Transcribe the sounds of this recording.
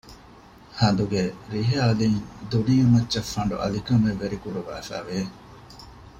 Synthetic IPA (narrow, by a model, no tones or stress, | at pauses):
hɐnd̪uɡeɾiɦaːliŋd̪uniːɐmɐtːʃɐfːɐɳɖṵʔɐ̰likɐmeʋːeɾikuɾuʋa̰ːfæ̰ːʋeː